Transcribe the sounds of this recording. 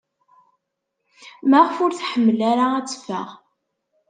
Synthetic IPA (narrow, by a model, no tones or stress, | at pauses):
maʁəfʊɾθħəmːlæɾaæt͡sːfæ̰ʁ